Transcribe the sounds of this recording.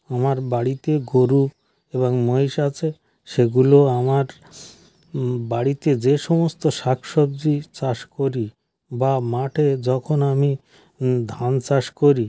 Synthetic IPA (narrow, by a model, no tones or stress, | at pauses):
amaɾbaɽit̪eɡoɾu | eβoŋmojʃat͡ɕʰe | ʃeɡuloamaɾ | baɽit̪ed͡ʑeʃɔmost̪oʃakʰʃob̚d͡ʑit͡ɕaʃkoɾi | bamaʈʰed͡ʑɔkʰonami | d̪ʱant͡ɕaʃkoɾi